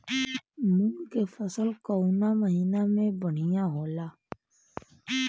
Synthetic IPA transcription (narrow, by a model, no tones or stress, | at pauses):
mʊŋkefəsəlkɔunaməɦiːnamẽbəɽ̤̃ijãɦoːlaː